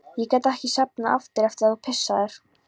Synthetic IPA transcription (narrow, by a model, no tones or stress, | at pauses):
jɛkɛjt̪ɛhcɪsapnaʔaft̪ɪɾɛft̪ɪɾaðupʰɪsːaðɛɾ̥